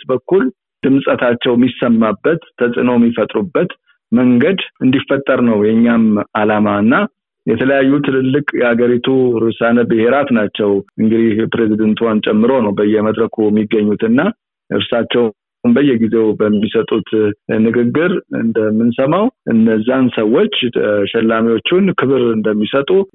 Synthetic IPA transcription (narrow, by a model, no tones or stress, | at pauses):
t̪bəkːul | d̪̥ɨmsʼət̪ʰat͡ʃːɛwmisəmːabːət̪ʰːəsʼɨnoɛmːifət̪ʼɾubːət̪ | məŋɡəd̪ɨnd̪ifːət̪ʼːəɾnəwjɛɲːamalamaɨnːa | jɛt̪ʰələjajːut̪ʰɨlɨlːɨkʼjɛhaɡəɾit̪ʰuɾɨsanəbɨhe̞ɾat̪nat͡ʃːɛwʔɨŋɡɨd̪ihpɾe̞zid̪ənt̪ʰuwant͡ʃʼɛmːɨɾo̞nəwbəjːɛməd̪ɾəkʰujɛmːiɡːəɲːut̪ɨnːa | ʔɨ̰ɾsat͡ʃːɛw | nbəjːɛɡize̞wbəmːisət̪ʼut̪nɨɡɨɡːɨɾɨ̰nd̪əmːɨnsəmawʔɨ̰nːəzːansəwːo̞t͡ʃːʃɛlːamiwo̞t͡ʃːunkʰɨβɨɾɨnd̪əmːisət̪ʼu